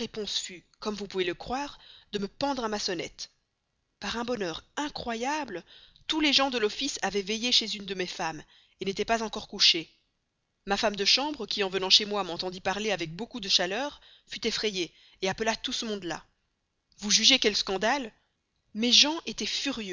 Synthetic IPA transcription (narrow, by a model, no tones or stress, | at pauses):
epɔ̃sfy | kɔmvupuveləkχwaːʁd̪əməpɑ̃d̪ʁamasənɛ̰t̪ | paʁɛ̃bɔnœʁɛ̃kχwajablət̪uleʒɑ̃d̪əlɔfisavɛvejeʃezynd̪əmefam | enet̪ɛpazɑ̃kɔʁkuʃe | mafamd̪əʃɑ̃bʁəkʲiɑ̃vənɑ̃ʃemwamɑ̃t̪ɑ̃d̪ipaʁleavɛk̚bokud̪əʃalœʁ | fyt̪efχeje | eapəlat̪usəmɔ̃d̪la̰ | vuʒyʒekɛlskɑ̃d̪al | meʒɑ̃ʔet̪ɛfyʁjø